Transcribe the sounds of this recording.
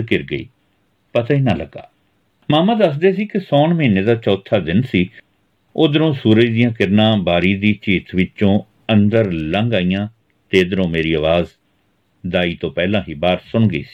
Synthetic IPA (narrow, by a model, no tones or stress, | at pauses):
kɪɾɡəḭː | pət̪ãːɪnãːləɡa̰ː | maːmãːd̪əsd̪eːsiːkɪsɔːɳməiːneːd̪aːt͡ʃɔːt̪ʰaːd̪ɪnsiː | oːd̪əɾõːsuːɾəd͡ʒd̪ɪjãːkɪɾnãːbaːɾiːd̪iːt͡ʃiːt̪ʋɪt͡ʃõː | ə̃nd̪əɾləŋɡaːijãː | t̪eːd̪əɾõːmeːɾiːəʋaːz | d̪aːiːt̪õːpɛːlãːɦiːbaːɾsʊɳɡəḭːsi̥ː